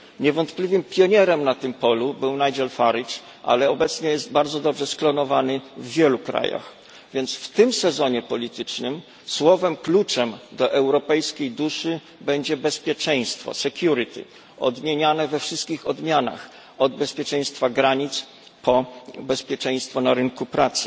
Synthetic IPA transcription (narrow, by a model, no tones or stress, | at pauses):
ɲɛvɔnt̪plʲivɘmpʲjɔɲɛɾɛmnat̪ɘmpɔlubɘwnajd͡ʑɛlfaɾit͡ʂ | ʔa̰lɛɔbɛt̪sɲɛjɛszt̪̚baɾd̪zɔd̪ɔbʐɛsklɔnɔvanɘvːʲjɛlukɾa̰ja̰x | vʲjɛnt̪sft̪ɘmsɛzɔɲɛpɔlʲit̪ɘt͡ʂnɘm | swɔvɛmklut͡ʂɛmd̪ɔʔɛwɾɔpɛjskʲejd̪uʂɘ | bɛɲd͡ʑɛbɛspʲjɛt͡ʂɛj̃st̪fɔ̰sɛkʲjuɾɘt̪ʰḭ | ɔd̪mʲjeɲanɛvɛfʂɘst̪̚kʲixɔd̪mʲjana̰x | ɔd̪̚bɛspʲjɛt͡ʂɛ̃j̃st̪faɡɾaɲit̪s | pʰɔbɛspʲjɛt͡ʂɛj̃st̪fɔnaɾɘŋkupɾat̪sɘ̥